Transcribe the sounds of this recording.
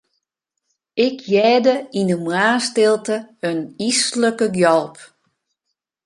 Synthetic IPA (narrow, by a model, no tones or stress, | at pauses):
ɪkʰjɛːdəinəmwaːstɪlˠtəənisləkəɡjɔlˠp